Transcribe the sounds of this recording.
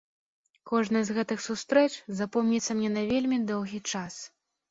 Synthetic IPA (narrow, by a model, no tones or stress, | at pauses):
kɔʐnɐjzɣɛt̪ɨxsust̪ɾɛt͡ʂzapɔmnʲit̪sːɐmnʲɛnɐvʲelʲmʲid̪ɔwɣʲit͡ʂas